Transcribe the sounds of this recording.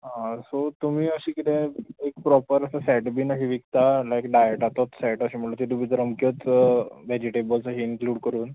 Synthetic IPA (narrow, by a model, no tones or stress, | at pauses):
ɦãsot̪um̤iːəɕiːkit̪ẽek̚pɾɔpəɾəsasɛʈbiːnəɕiʋikt̪alaekɖajəʈat̪ot͡ssɛʈəɕiːm̤əʈlut̪it̪ubiːd̪ɾəmkjət͡sʋɛd͡ʑiʈebəlsəɕiinkluːɽkəɾuːn